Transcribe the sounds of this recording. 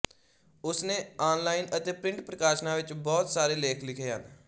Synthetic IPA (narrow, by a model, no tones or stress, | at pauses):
ʊsnẽːaːnlaːinət̪eːpɾɪ̃ɳʈpɾəkaːʃnãːʋɪt͡ʃbɔːt̪saːɾeːleːkʰlɪkʰeːɦə̰n